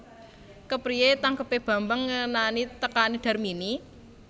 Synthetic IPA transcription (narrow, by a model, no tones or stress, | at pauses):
kəpɾiet̪aŋkəpeb̥ä̤mbəŋːənanit̪əkaniɖ̥a̤rmini